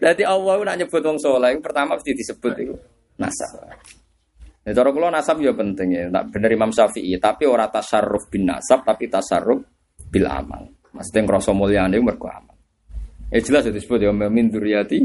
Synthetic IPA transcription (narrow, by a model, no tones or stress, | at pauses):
dat̪iʔɔwɔkunaʔɲəb̥ʊ̤t̪̚wɔŋsolaikupərt̪amamust̪id̪̥isəb̥ʊt̪iku | na̰sa̰p̚ | dat͡ʃɔɾɔkulɔnasap̚japənt̪ɪŋna̰ʔb̥ə̤nəɾimamsafiʔit̪apioɾat̪asarːʊfb̥ina̰sap̚t̪apit̪asa̰rːʊf | b̥ɪla̰ma̰l | masu̥t̪ɪŋkɾɔsɔmoliandekumərɡ̥ɔa̰ma̰l | e̥d͡ʒ̥əlasjɔd̪isə̥b̥ʊt̪̚jɔmmind̪uɾjat̪i